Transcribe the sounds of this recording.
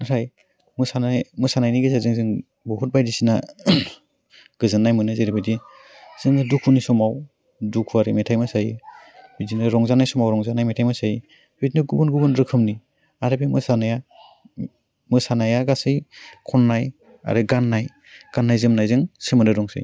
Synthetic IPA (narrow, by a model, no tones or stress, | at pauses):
nɯtʰaj | mɯsanajmɯsanajniɡezazɯŋzɯŋ | bɔɦut̚bajdisina | ɡ̥ɯzɯnːajmɯnɯzeɾebadi | z̥ɯŋɯdukʰunisɔmaw | dukʰuaɾɯmetʰajmɯsaji | bidinɯɾɔŋzanajsɔmawɾɔŋzanajmetʰajmɯsaj | b̥itnɯɡubunɡubɯnɾɯkʰɯmni | aɾabimɯsanaja | mɯsanajaɡasɯjkʰɔnːaj | a̰ɾɯɡanːaj | ɡ̥anːajzɯmnajzɯŋsemɯnɾɯɾɔŋsa̰j